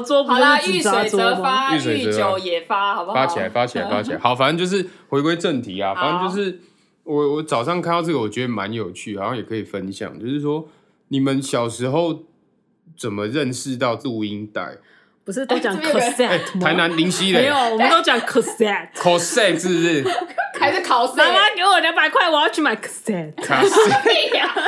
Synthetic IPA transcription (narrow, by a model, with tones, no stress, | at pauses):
t͡swɔ˥pu˧˥˩ɨ˥˨t͡s̩˨t͡sa˨˦˥t͡swɔ˦˥˧ma˨y˥˩swe˨˧ɪə˧˥o˧˨jɛ˨˩fa˦fa˦˥t͡ɕʰi˨a˧˦ɪfa˦˥t͡ɕʰi˨a˧˦ɪfa˦t͡ɕʰi˨a̰˧˦ɪxɑ˨˩˦ʊfa˨nə˥˦nt͡ɕjo˥˧ʂ̬̩˥˩xwe˧˥ɪkwe˥ɪʈ͡ʂə˥˨nt̪ʰi˨a˨fa˨nə˥˦nt͡ɕjo˥˧ʊʂɻ̩˥˨ | wɔ˨˩wɔ˨˦t͡sɑ˨ʊʂɑ˥˧ŋkʰa˥˧nd̪ɑ˥˧t͡s̬ə˥ɡə˨wɔ˨˩t͡ɕɥɛ˧˦˥d̪ə˨˩ma˧˦njo˨˩ʊt͡ɕʰy̰˥˨hɑ˨˩ɕjɑ˥˨ŋjɛ˨˩kʰə˧˦i˨˩fə˦nɕjɑ̰˨˩ŋt͡ɕjo˥˧ʊʂɻ̩˥˩swɔ˦˥ | ni˨˩mə˦nɕjɑ˨˩ʊʂɻ̩˧˥xo˥˩ʊ | t͡sə˨˩nmə˨ɻə˥˨nʂɻ̩˥˧t̪ɑ˥˨ʊt͡s̩˥˩u˨˧i˦ŋt̪a̰˥˩ɪ | pu˧ʂ̬ɻ̩˥˩t̪o˥t͡ɕjɑ˨˦ŋkʰə˨˧sɛ˥˧e˥˨˩t̪ʰa˨˦ɪna˧˦nli˨˥ŋɕi˥le˨o˨wɔ˨˩mə̃˨nt̪o˥ʊt͡ɕjɑ˨˦ŋkʰɔ˨˩sɛ˥˩t̚kʰɔ˨˦sɛ˥˧s̩˥˩a˧ɪʂ̩˥˨kʰa˨˩sa˨˦˥ke˧˥wɔ˨ljɑ˧˦ŋba˨ɪkʰwa˥˩ɪwɑ˥t͡ʃma˨˩ɪkʰə̥˨sɛ˥˨t